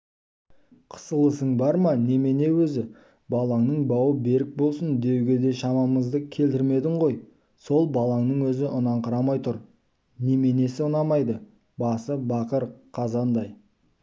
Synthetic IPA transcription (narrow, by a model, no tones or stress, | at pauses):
qʰə̥səlˠəsəɴbɑɾmɑne̞me̞ne̞wɵzɪ | bɑlˠɑŋnəɴbɑwəbe̞ɾɪk̚bo̞lˠsənd̪e̞wɡʲe̞d̪e̞ʃɑmɑməzd̪əkʲʰe̞lt̪ɪɾme̞d̪ɪɴʁo̞j | so̞lˠbɑlˠɑŋnəɴwɵzɪʔʊnɑɴqʰəɾɑmɑjt̪ʰʊɾ | ne̞me̞ne̞sɪʊnɑmɑjd̪ə | bɑsəbɑqəɾqʰɑzɑnd̪ɑj